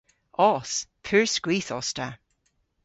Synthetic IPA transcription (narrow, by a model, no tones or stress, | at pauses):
ɔːspʰʉːɹskwiːθɔstʰa